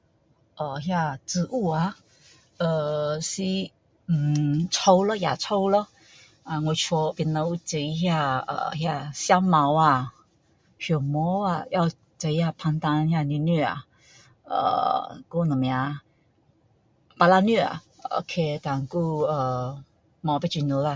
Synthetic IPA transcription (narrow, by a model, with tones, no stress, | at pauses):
ʔə˨˩ɦja˥˧t͡s̩˧ʔu˥˧a˧˩ | ə˨˩si˧ | m̩˨˩t͡sʰo˧wlə˧˦ja̰˨˩t͡sʰo˧˦wlə˧ | a˧˨ŋwe˧˩t͡ɕʰɔ˧pi˧˦nlə˧˦u˧t͡ɕi˧˩i˧ɦja˥˧ə̰˨˩ɦja˥˧ɕja˦ma˧˦wa˧˨ | ɕɔ˨˩mɔ˧˦a˨ja˥˧ʊ | t͡sə˧i˧˦ja˥˧pʰa˧ŋt̪a˧n˧hja˥˧˨ni˧˨nɛ˥˩a̰˨ | ə̰˧˩ku˥˧nə˨˩mja˧ | pa˧la˧nɛ˥˩a̰˨˩ | o̰˧kʰe˧t̪a˨ŋku˥˧ə˨˩ | ma˨˧˦pe˥˧t͡ɕi˧˩nu˨˧˦la˧˨